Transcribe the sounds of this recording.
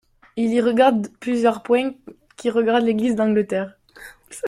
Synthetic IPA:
iliʁəɡaʁd̪plyzjœʁpwɛ̃ | kʲiʁəɡaʁd̪leɡlizd̪ɑ̃ɡlət̪ɛːʁ

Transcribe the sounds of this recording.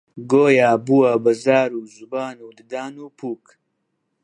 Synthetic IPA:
ɡoːjaːbuwɐbɐzaːɾuːzubaːnuːd̪ɨd̪aːnuːpʰuːk

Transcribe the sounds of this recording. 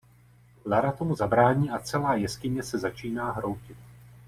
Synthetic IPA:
laɾat̪o̞muzabɾaːɲiːʔat͡sɛlaːjɛskɪɲɛsɛzat͡ʃiːnaːɦɾo̞wcɪt̪̚

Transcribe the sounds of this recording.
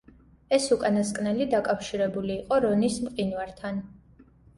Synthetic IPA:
ɛsukʼanaskʼnɛlid̪akʼafʃiɾɛbuliːqʼɔɾɔnismqʼinwaɾt̪ʰan

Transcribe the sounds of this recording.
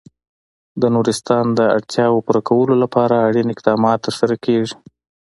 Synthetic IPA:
d̪ənuɾɪst̪ɑnd̪əa̰ɽt̪ʰjɑwpuɾakʰawəlolapɑɾaːɽinɪqd̪ɑmɑt̪ːəɾsaɾakeʐi̥

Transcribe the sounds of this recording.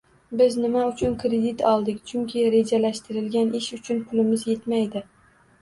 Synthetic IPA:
bɪznɪmaʊt͡ʃʰʊnkʰɾe̞d̪ɪt̪ʰɒlˠd̪ɪkʲt͡ʃʰʊŋkʲʰɪɾe̞d͡ʒalaʃt̪ɪɾɪlɡʲanʔɪʃʊt͡ʃʰʊnpʰʊlɪmɪzje̞t̪majd̪ɪ

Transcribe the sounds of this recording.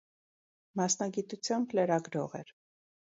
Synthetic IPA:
mɑsnɑɡit̪ut͡sʰjɑmbləɾɑɡɾɔʁɛɾ

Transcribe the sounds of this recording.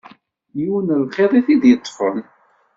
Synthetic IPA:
juwnəlqeðˤiθiðjət̪ˤːfən

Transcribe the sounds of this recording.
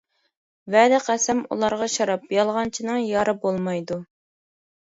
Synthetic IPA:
vɛd̪ɪqʰæsɛmṵlˠɑɾʁɑʃɑɾɑpjɑlˠʁɑnt͡ʃʰinɨŋjɑɾɨbolˠmɑjd̪u

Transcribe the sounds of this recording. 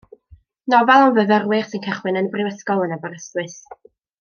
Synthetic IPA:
nɔvɛlˠənvəvərwɪr̥sɪnkʰɛχwɪnənəbrɪwəskɔlˠənɛbəɾəstwɨs

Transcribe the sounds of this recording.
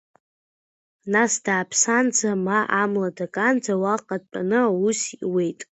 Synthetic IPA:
nasdaːpʰsand͡zamaʔamladakʼand͡zawaqʼad̚pʼa̰nɨausḭwe̞jtʼ

